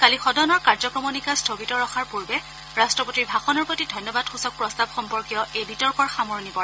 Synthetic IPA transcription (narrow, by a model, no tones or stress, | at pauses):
kalixɔdɔnɔɹkaɹzɔkɹɔmɔnikastʰobitɔɹɔxaɹpuɹbɛ | ɹastɹɔpotiɹbʱaxɔnɔɹpɹɔtidʱɔjnːɔbadxusɔk̚pɹɔstabxɔmpɔɹkjɔʔejbitɔɹkɔɹxamɔɹnipɔɹɛ